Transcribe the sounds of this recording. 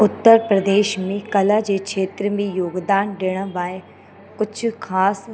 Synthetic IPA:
ʊt̪ːəɾpɾɐd̪eːʃmẽkɐlad͡ʑeːkʃʰeːt̪ɾəmẽjoːɡd̪aːnɖɪɽ̃əʋaːe | kʊd͡ʑʱʊxʰaːs

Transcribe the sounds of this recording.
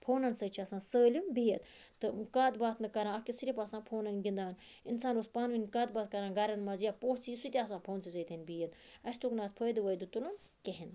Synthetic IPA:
pʰoːnɐnsəːt͡ʃʰɐsãːnsəːlimbijɐt̪t̪ɨkaːd̪baːt̪nɨkɐɾãːɐkʲisiɾʲipaːsãːpʰoːnɐnʲɡʲind̪aːn | insaːnoːspaːnʋinʲkaːd̪̚baːt̪̚kɐɾãːɡɐɾɐnmɐzjaːpoːt͡sisut̪ʲiaːsãːpʰoːnsizəːt̪ʰʲɐnʲbijɐt̪ɐsʲt̪uːknaːt̪̚pʰoːjd̪ɨʋəjd̪ut̪ulɐnkeɦin

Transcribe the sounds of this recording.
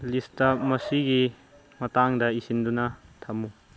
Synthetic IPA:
listɐmɐsiɡi | mɐtaŋdɐisindunɐt̪ʰɐmu

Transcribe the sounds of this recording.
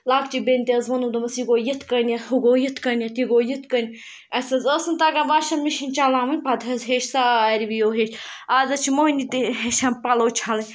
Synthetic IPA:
laːkt͡ʃibenʲt̪iɐzʋɐnud̪ɐmɐsiɡoːjit̪kɐnʲjɐhuɡoːjit̪kɐnʲjɐt̪iɡoːjit̪ʰkənʲ | ɐsɐzəsɨnt̪aɡaʋaʃɐnmiʃinʲt͡ʃalaːmɐnʲpɐd̪ɦɐzɦeːʃsaaɾʲibijoːɦeːʃaːzɐt͡ʃʰimoːnʲit̪iɦeʃɐnpɐloːt͡ʃʰalɐnʲ

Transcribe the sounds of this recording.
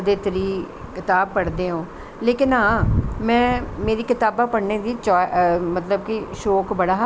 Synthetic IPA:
d̪eːt̪əɾiː | kɪt̪aːb̚pəɽd̪eːɦõː | leːkɪnãːmɛ̃ːmeːɾiːkɪt̪aːbaːpəɽneːd̪iːt͡ʃɔːmət̪ləbkiʃoːkbəɽaː

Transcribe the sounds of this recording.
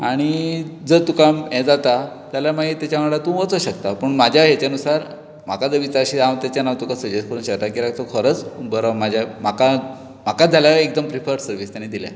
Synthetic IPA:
aɽ̃id͡zət̪ukamjɛ̃d͡zat̪a | t̪jaljamaɡit̪jat͡ɕjaʋəɭat̪ũʋət͡səɕəkt̪apəɳmad͡ʑʱjaɦjet͡ɕjanusaɾ | m̤akad͡zəʋit͡saəɕiamt̪jat͡ɕjanaʋt̪ukasəd͡ʑeskəɾuːnɕəkt̪akiːɾaɡt̪əkʰəɾət͡sbəɾəmad͡ʑʱjam̤aka | m̤akad͡zʱaljaek̚d̪əmpɾipʰəɾsəɾʋiːst̪jãnid̪ila̰

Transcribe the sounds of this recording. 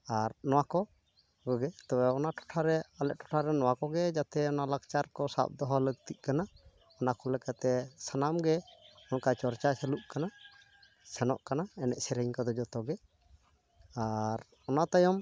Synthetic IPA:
aɾnɔwakɔ | ɡɔɡɛt̪ɔwɛɔnaʈʰɔ̥ʈʰaɾɛalɛʔ̚ʈʰɔ̥ʈʰaɾɛnɔwakɔɡɛd͡ʒat̪ɛɔnalakt͡ʃaɾkɔsa̰p̚d̪ɔɦɔləɡ̚t̪iʔ̪̚ˀkana | ɔnakɔlɛkat̪ɛsanamɡɛɔnkat͡ʃɔɾt͡ʃasɛluʔkana | sʰɛnɔ̰ʔkanaɛnɛʔsɛɾəɲkɔd̪ɔd͡ʒɔt̪ɔɡɛ | aɾ | ɔnat̪ajɔm

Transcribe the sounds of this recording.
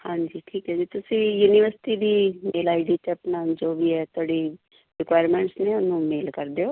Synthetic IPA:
hãːɲd͡ʒiːʈʰiːkɦɛːd͡ʒiːt̪ʊsĩːjuːniʋəɾsʈid̪iːeːlaːɪɖiːt̪epnãːnd͡ʒoːbʱiɛːt̪ʰoːɽiː | ɾɪkʋaːjɾmẽːɳʈsnẽʊnũːmeːlkəɾd̪eːoː

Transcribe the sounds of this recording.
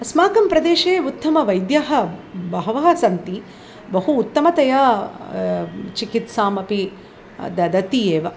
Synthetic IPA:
ɐsmaːkɐmpɾɐd̪eːʃeːut̪ːɐmɐʋɐjd̪jaɦɐ̆bɐɦɐʋɐɦɐsɐnt̪i | bɐɦuːt̪ːɐmɐt̪ɐjaː | t͡ʃikit̪saːmɐpi | d̪ɐd̪ɐt̪ieːʋɐ

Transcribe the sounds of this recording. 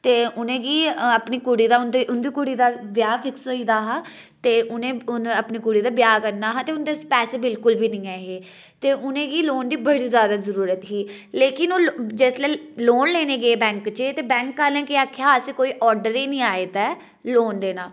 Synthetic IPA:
t̪eːʊnẽːɡiːəpniːkʊɽiːd̪aːʊnd̪iʔʊnd̪iːkʊɽiːd̪aːbjaːpʰɪksoːiːd̪aːɦa | t̪eːʔʊnẽːʊnəpniːkʊɽiːd̪aːbɪjaːkəɾnːaːɦãːt̪eːʊnd̪eːpɛːseːbɪlkʊlʋiːnĩːɛːɦeː | t̪eːʔʊnẽːɡiːloːnd̪iːbəɽiːzjaːd̪aːzəɾuːɾət̪ɦiː | leːkɪnoːd͡ʒeːslɛːloːnleːneːɡeeːbɛ̃ːŋkt͡ʃet̪eːbɛ̃ːŋkːəːɾnɛ̃ːkɪaːkʰːeaːsiːkoːiːʔɔːɾɖəɾiːnĩːaːeːt̪ɛː | loːnd̪eːnaː

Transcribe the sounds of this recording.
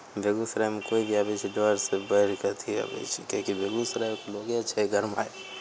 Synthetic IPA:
bʱeɡusɾamekoibʱiabet͡ʃʰiɖɔɾsebəɾikət̪ʰiə̰bḛt͡ʃʰikõkibʱeɡusɾakloɡeat͡ʃʰɛɡəɾmae

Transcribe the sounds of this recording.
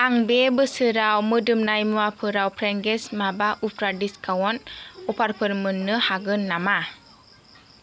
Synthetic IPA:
aŋbebɯsɯɾawmɯdɯmnajmɯapʰɯɾawpʰɾɛŋɡɛsmabaʔupʰɾadiskʰawɔnɔpʰaɾpʰɯɾmɯnːɯhaɡɯnːama

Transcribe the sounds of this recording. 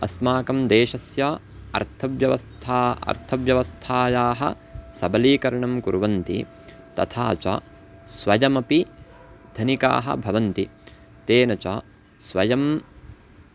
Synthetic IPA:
ɐsmaːkɐmd̪eːʃɐsja | ɐ̰ɾt̪ʰɐʋjɐʋɐst̪ʰaːɐ̰ɾt̪ʰɐʋjɐʋɐst̪ʰaːjaːɦɐ̰ | sɐbɐliːkɐɾɐɳɐmkuɾʋɐnt̪ḭ | t̪ɐ̰t̪ʰaːt͡ʃɐ̰ | sʋɐjɐmɐpi | d̪̥ʱɐnika̰ːɦɐ̰bʱɐʋɐnt̪i | t̪eːnɐt͡ʃaː | sʋɐjɐm

